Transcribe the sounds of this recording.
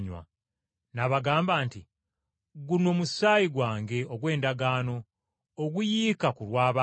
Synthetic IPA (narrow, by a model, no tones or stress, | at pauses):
ɲwa̰ | naβaɡaːmbaːnti | ɡuno̞ːmusaːjiɡwaːŋɡe̞oɡwe̞ːndaɡaːno̞ː | ɡujiːkakulwaːβa